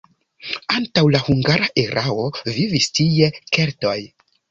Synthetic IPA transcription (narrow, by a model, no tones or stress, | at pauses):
antawlahuŋɡaɾaʔeɾʔao̞vivistie̞ke̞ɾto̞j